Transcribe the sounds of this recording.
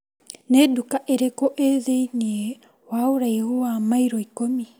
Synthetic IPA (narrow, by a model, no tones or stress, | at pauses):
nedukaʔeɾekɔʔeðeinie | waoɾaihuwamaiɾɔikomi